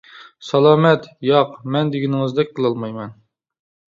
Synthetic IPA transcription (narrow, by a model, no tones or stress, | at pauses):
sɑlˠɑːmɛt̪jɑqmɛnd̪ɪɡʲinɪŋɨzd̪ɛk̚ʲqʰəlˠɑlˠmɑjmɛn